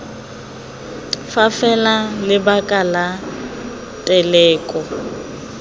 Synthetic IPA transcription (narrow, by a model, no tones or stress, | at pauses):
fafɛlalɪbakʼala | tʼɛlɛːkʼɔ